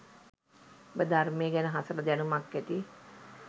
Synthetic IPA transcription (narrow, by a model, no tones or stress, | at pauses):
bəd̪armejəɡænəɦasələd̪ænumakːæt̪i